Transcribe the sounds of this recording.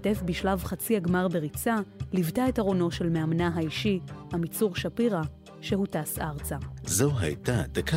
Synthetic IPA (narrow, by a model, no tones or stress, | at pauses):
te̞fbiʃlavχat͡siaɡmaʁbe̞ʁit͡salivtaetaʁo̞no̞ʃe̞lmeamnaɦaiʃihamit͡suʁʃapiʁa | ʃe̞hutasaʁt͡sazoɦa̰jtad̪aka